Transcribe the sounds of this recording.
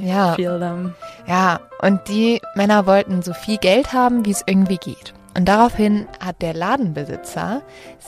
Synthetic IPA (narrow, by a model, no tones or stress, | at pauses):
jaːfildəmjaːʔʊnt̚d̥iːmɛnɐvɔltn̩zoːfiːlɡɛlthaːbm̩viːɛsʔɪɐɡŋ̩tv̥iːɡḛːt | ʔʊnt̚d̥aʁaʊfhɪnhat̚d̥eːɐlaːdn̩bəzɪ̰t͡sɐ̰